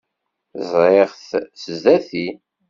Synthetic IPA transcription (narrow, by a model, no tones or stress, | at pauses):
zˤɾeʁθsəzðæθi